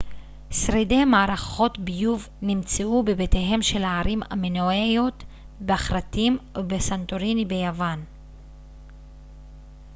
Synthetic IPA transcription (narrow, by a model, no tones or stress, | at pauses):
sʁede̞jmaːɾaχo̞tbijuv | nimt͡seubebeteɦe̞mʃe̞laːɾima̰menoejot̪ | beaχɾatimbesantoɾinibe̞javan